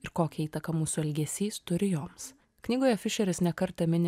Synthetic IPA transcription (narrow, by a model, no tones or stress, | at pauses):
ɪɾkoːkʲɛiːt̪ɐkɐmuːsʊɛlʲɡʲɛsʲiːst̪ʊɾʲɪjoːms | knʲiːɡoːjɛfʲɪʃʲɛɾʲɪsnʲɛkɐɾt̪ɐmʲɪnʲ